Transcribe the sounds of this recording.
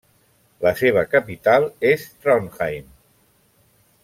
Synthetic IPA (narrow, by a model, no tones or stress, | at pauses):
ləseβ̞əkəpit̪alˠest̪ɾɔnxajm